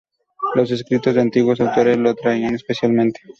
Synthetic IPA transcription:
los̬eskɾit̪ozd̪eant̪iɣwosawt̪oɾeslot̪ɾaianespesjalmẽnt̪e̥

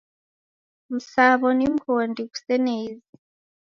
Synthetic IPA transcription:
musaːβonimhondiku̥seneizi

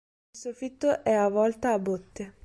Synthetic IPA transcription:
lsufit̪ːoʔɛavɔlt̪aːbot̪ːe

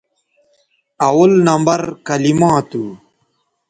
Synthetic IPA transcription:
ɐwɐlnɐmbɐɾkɐlimãːt̪u

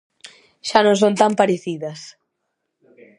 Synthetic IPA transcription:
ʃanõŋsont̪ampaɾeθiðɐs

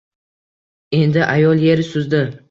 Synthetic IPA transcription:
e̞nd̪ɪʔajɒlˠje̞ɾɪsʊzd̪ɪ

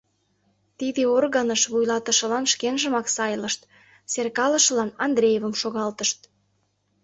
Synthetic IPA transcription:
t̪id̪eorɣənəʃβujlɑt̪əʃə̆lɑnʃkenʒə̆mɑksɑjləʃt̪ | serkɑləʃəlɑnɑnd̪ɾejevəmʃoɣɑlt̪əʃt̪

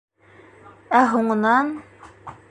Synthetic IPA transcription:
æɦuɴɤ̆nɑn

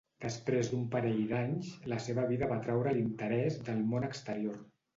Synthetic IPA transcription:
d̪̥əspɾezðd̪umpəɾɛʎd̪aɲzləseβəβ̞iðəβat̪ɾɛwɾəlint̪əɾɛzd̪əlˠmonəkst̪əɾioɾ

